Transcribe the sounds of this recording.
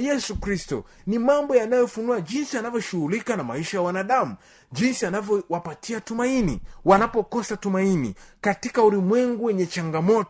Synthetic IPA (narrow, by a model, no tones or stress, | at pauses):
jɛsukɾistɔ̰ | nimambɔjanajɔfunuaʄinsianavjɔʃuhulikanama̰iʃajawanaɗamu | ʄinsianavjɔwapatʰiatumainiwanapɔkɔsatumainḭkatikaulimwɛŋɡuwɛɲɛt͡ʃaŋɡamɔtɔ